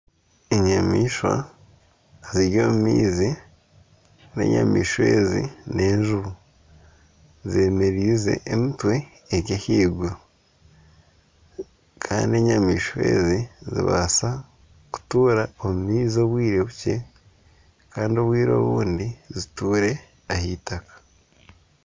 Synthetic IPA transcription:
eɲamiːʃwa̰ | ziɾjo̞ːmumiːzi | ne̞̰ɲa̰mḭːʃwe̞ːzḭne̞ːɲʒuβu | zemeɾiːze̞̰ːmitwe̞ː | ɟehiːɡu | kʰaːndie̞ɲamiːʃwe̞̰ːzizḭβa̰sa | ku̥tuːɾaomumiːzio̞βwiːɾeβuce̞ | kʰaːndio̞βwiːɾo̞̰ːβuːndizituːɾe̞ | ahiːtakḁ

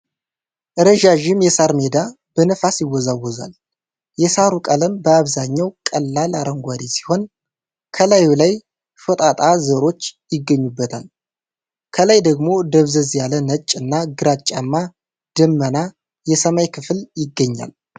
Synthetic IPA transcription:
ʔɨɾəʒaʒɪmjɛsaɾmed̪a | b̥ənəfasjɪwːɔzawːɔza̰l | jɛsaɾukʼələmbəaβzaɲːawkʼəlːalaɾəŋɡʷad̪esi̥ho̞n | kʰəlajulaj | fət̪ʼat̪ʼazəɾo̞t͡ʃːjɪɡːəɲːubːət̪ʰa̰l | kʰəlajd̪əɡmo̞d̪əβzəzjalənət͡ʃʼːɨnːaɡɨɾat͡ʃʼːamːa | d̪̥ɨmːəna | jɛsəmajkʰɨfljɪɡːəɲːa̰l

